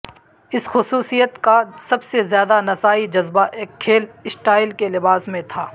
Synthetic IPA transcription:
ɪsxʊsuːsijət̪kasɐbsezjaːd̪anɐsaːid͡ʒɐzbaʔeːkʰːeːlɪsʈaːɪlkelɪbaːsmẽt̪ʰaː

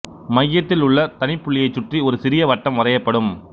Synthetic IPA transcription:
mɐjːɐt̪ːɪlʊɭːɐt̪ɐnɪpːʊɭːɪjɐɪt͡ʃːʊʈriɔɾɯsɪɾɪjɐʋɐʈːɐmʋɐrɐjɐpːɐɽɯm

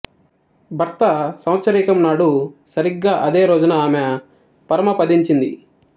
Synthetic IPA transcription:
bʱɐɾt̪ɐsɐw̃ɐt̪sɐɾiːkɐmnaːɽusɐɾiɡːaːʔɐd̪e̞ːɾo̞ːd͡ʒunɐaːme | pɐɾɐmɐpɐd̪iɲt͡ʃind̪ḭ

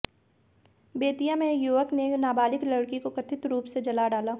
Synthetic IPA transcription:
beːt̪ijamẽjuːʋəknenaːbaːlɪklɐɽkikokɐt̪ʰɪt̪ɾuːpsed͡ʒɐlaːɖaːlaː

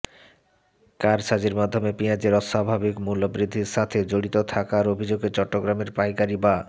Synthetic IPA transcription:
kaɾʃad͡ʑeɾmad̪ʱːomepiad͡ʑeɾɔʃabʱabikmulːobɾid̪ʱːiɾʃat̪ʰed͡ʑoɽit̪ot̪ʰakaɾobʱid͡ʑoɡet͡ɕɔʈːoɡɾameɾpajkaɾiba

